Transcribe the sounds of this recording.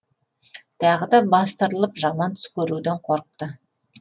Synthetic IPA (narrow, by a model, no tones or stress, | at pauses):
t̪ʰɑʁəd̪ɑbɑst̪əɾəlˠəpʒɑmɑnt̪ʰʏ̥skʲɵɾud̪eɴqʰoɾəq̚t̪ə